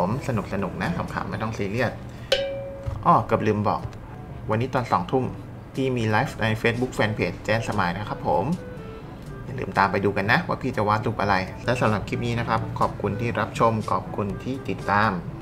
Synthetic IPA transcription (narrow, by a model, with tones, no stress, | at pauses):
msa˧nu˨˩k̚sa˧nu˨˩k̚na˦˥sʰa˩˦mkʰa̰˧˦mːɛː˥˩t̪ɔ˥˩ŋsiː˧˦˥li˥˩ət̪̚ | ʔɔː˧˩kɯ˨˩p̚lɯː˧mbɔ̰ː˨˩k̚ | wa˧nːiː˦˥t̪ɔː˧nsɔː˩˦ŋt̪ʰu˥˩m | t̪ʰiː˥˩miː˧laː˦˥fna˧jfeː˦˥t̪̚bu˦˥k̚fɛː˧npʰeː˨˦˥t͡ɕ̚t͡ɕɛː˥˩nsa˧maː˧jna˦˥kʰa˦˥pʰːo˩˦m | jaː˨˩ŋlɯ̰ː˧˩˦mt̪aː˧mpa˧jduː˧ka˧nːa˦˥waː˦˥˩pʰiː˧˩t͡ɕa˨˩waː˦˥t̪̚lu˦˥˩p̚ʔa˧ɾa˧jlɛ˦˥wsa˨˩˦mɾa˨˩p̚kʰi˥p̚niː˦˥na˦˥kʰa˦˥p̚kʰɔː˨˩p̚kʰu˧nt̪ʰiː˥˩ɾa˦˥p̚t͡ɕʰo˧mkʰɔː˨˩p̚kʰu˧nt̪ʰiː˥˩t̪i˨˩t̪ːaː˧m